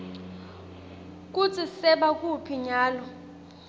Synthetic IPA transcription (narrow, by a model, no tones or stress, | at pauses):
k̬ut͡sʰisɛɓak̬ʼupʰiɲaːlɔ